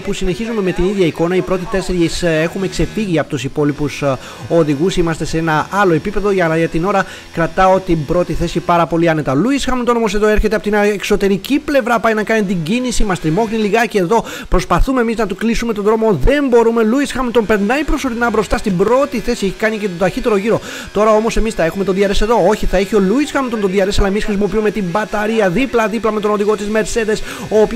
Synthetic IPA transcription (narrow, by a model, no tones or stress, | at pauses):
pusine̞çizume̞me̞t̪iniðʝɐiko̞nɐipɾo̞t̪it̪e̞se̞ɾʝise̞xume̞kse̞fiʝiɐpo̞t̪usipo̞lipus | o̞ðiɣusimɐst̪e̞see̞nɐɐlo̞e̞pipe̞ðo̞ʝɐlɐʝɐt̪ino̞ɾɐ | kɾɐt̪ɐo̞t̪iːbɾo̞t̪iθe̞sipɐɾɐpo̞liɐne̞t̪ɐluisxɐmnt̪o̞nomoseðo̞e̞ɾçet̪eɐpot̪inɐekso̞t̪e̞ɾiciple̞vɾɐpɐinɐkɐnit̪iɲɟinisimɐst̪ɾimo̞ɣniliɣɐceːðo̞ | pɾo̞spɐθumemiznɐt̪uklisume̞t̪od̪ɾo̞moðe̞mbo̞ɾume̞luisxɐmnt̪o̞mpe̞ɾnɐipɾo̞so̞ɾinɐbɾo̞st̪ɐst̪imbɾo̞t̪iθe̞sie̞çi̥kɐnice̞t̪od̪ɐçit̪e̞ɾoʝiɾo̞ | t̪o̞ɾɐo̞mo̞se̞misθɐe̞xume̞t̪oðiɐɾe̞se̞ðo̞o̞çiθɐeçio̞luisxɐmnt̪o̞nt̪oðiɐɾe̞sɐlɐe̞misxɾisimopiume̞t̪imbɐt̪ɐɾiɐðiplɐðiplɐmet̪o̞no̞ðiɣo̞t̪izme̞ɾse̞ðe̞s | oːp